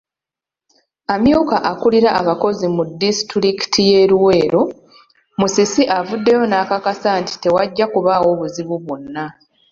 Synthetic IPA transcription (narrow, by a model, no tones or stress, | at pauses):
amjuːkaʔakuliɾaʔaβako̞zimudːistuɾiki̥tʰije̞ɾuwe̞ːɾo̞ | musisiʔavudːe̞jo̞naːkakasanti̥te̞waɟːakuβawo̞ːβuziβuβunːa